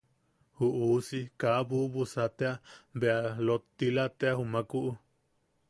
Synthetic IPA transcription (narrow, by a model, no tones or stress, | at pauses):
huʔusikaβuβusat̪eabealot̪ːilat̪eahumãkuʔu